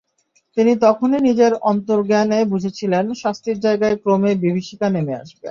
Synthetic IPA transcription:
t̪init̪ɔkʰoninid͡ʑeɾɔnt̪oɾɡɛnebud͡ʑʱet͡ɕʰilenʃast̪iɾd͡ʑaeɡaekɾomebibiʃikanemea̰ʃbḛ

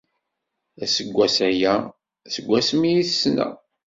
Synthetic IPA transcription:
æsəɡʷːæsæjæ | səɡʷːæsmijiθsːnæ̰

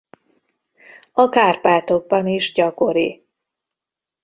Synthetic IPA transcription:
ɒkaːrpaːt̪o̞ɡ̚bɒniʒɟɒko̞ɾi

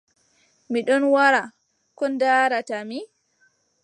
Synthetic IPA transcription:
miɗɔnwaɾa | kɔndaːɾatami

